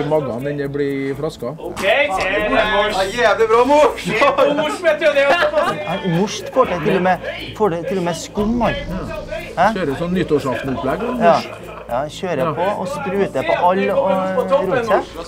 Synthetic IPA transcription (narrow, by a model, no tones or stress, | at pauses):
mɑɡɑ̰nɛnəbɽɪfɽɑskɑ | jæːʋləbɾɑːmʊ | mʊʂt̪kʰɔʈət̪ʰɪlːɔmɛ | fɔɖɛt̪ʰɪlːɔmɛskʉnmɑɾ | hæøːɾəsɔnːʏt̪ːɔːʂɑft̪nʊplɛɡjɑː | jɑ̰ːçøːɾəpʰɔɔ̰skɾʉːt̪əɔʔɑlːɔɾuːsɛ